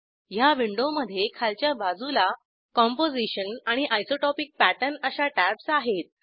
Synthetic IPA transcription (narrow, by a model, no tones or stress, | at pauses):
jaʋiɳɖoməd̪ʱːjekʰalt͡ɕjabad͡zula | kɔmpod͡ziɕənaɽ̃iʔajsoʈɔpik̚pæʈənəsaʈæbsaɦet̪̚